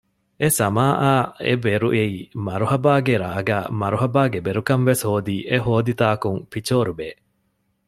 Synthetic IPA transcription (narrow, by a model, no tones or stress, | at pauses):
esɐmaːʔaːḛbeɾuʔeiːmɐɾuhɐbaːɡeɾaːɡæːmɐɾuɦɐbaːɡebeɾukɐnʋeshoːd̪iːʔeɦoːd̪it̪aːkuŋfit͡ʃoːɾubeː